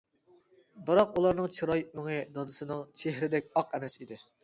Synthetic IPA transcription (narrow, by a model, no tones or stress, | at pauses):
bɨɾɑqulˠɑɾnɨŋt͡ʃʰɾɑjøŋɪd̪ɑd̪ɨsɨnɨŋt͡ʃʰeɦɾɪd̪ɛk̚ʲɑqɛmɛsid̪ɪ